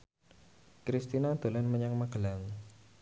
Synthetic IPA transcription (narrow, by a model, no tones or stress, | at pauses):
kɾist̪inad̪̥o̤lanməɲaŋmaɡəlaŋ